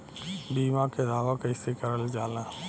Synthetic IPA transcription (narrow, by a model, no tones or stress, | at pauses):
biːmãked̪ʱaːʋãkəɪsekəɾəld͡ʒaːla